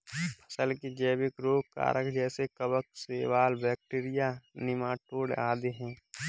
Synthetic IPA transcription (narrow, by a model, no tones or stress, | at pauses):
pʰə̥səlkid͡ʒəːbɪkɾoːɡka̰ːɾʔəkd͡ʒɛːsekəbək̚seːʋaːlbɛːk̚ʈeːɾɪjanɪmaːʈoːɽaːd̪eɦɛ̃ː